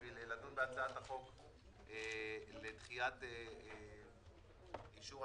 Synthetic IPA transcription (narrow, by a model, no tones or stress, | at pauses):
vileladunbeat͡saataχo̞k | elet̪χiate | iʃuʁ